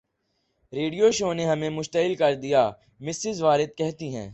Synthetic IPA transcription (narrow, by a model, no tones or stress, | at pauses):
ɾeːɖijoʃoːneɦɐmẽmʊʃt̪əɦɪlkɐɾd̪ijaː | mɪsɪzʋaːɾɪd̪̚kɛɦt̪iɦɛ̰̃ː